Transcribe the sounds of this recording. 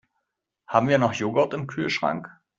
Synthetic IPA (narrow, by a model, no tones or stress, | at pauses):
haːbm̩viːɐnɔχjoːɡɔɐtɪmkʰyːlʃʁ̥a̰ŋk